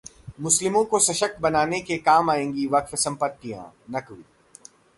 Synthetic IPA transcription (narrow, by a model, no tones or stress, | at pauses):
mʊslɪmõkosɐʃəkbɐnaːnekekaːmaːẽːŋɡiʋɐkfsɐ̃mpət̪̚kijã̰ːnɐkʋiː